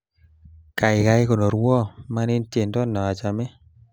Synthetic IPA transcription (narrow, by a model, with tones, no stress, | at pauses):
ka˨ɪ˨ka˧jko˨no˨ɾwɔ˦ma˧˦ni˦nte˨ndɔ˦˨nːɔ˨a˨t͡ʃa˨me˦